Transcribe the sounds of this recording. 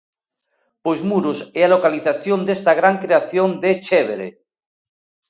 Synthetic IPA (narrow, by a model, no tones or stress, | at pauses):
pojzmuɾosealokaliθaθjond̪est̪aɣ̞ɾaŋkɾeaθjond̪et͡ʃeβ̞eɾḛ